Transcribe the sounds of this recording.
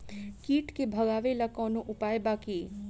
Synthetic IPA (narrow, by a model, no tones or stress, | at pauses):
kiːʈkebʱəɡaːʋelakɔːnoʔʊpaːjbaki